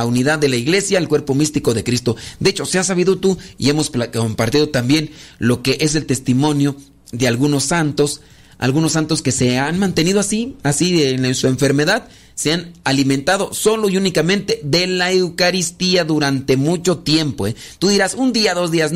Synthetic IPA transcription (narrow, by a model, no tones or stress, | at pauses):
uniðaðːelaiɣle̞sjaelkweɾpomist̪ikoðe̞kɾist̪od̪eet͡ʃo̞seas̬ːaβiðot̪uḭemoskompaɾt̪iðot̪ambjenlokeʔes̬e̞lt̪e̞st̪imo̞njo | ðealɣunosːant̪os | a̰lɣunosːant̪oskeseanmãnt̪e̞niðoasiasinnsueɱfeɾmeðað | seanaliment̪að̞osoloiunikamẽnt̪eðelaewkaɾist̪iaðuɾant̪emut͡ʃot̪jempoe | t̪uðiɾasund̪iaðozðias